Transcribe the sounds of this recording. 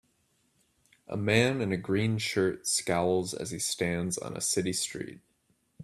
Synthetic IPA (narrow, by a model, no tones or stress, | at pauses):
ʔə̰mæ̃nɨ̃nɨɡɹĩnʃɜ˞tskaʊlˠzɨ̰z̥istæ̃ndzn̩ə̰sɪɾistɹ̥ḭt̚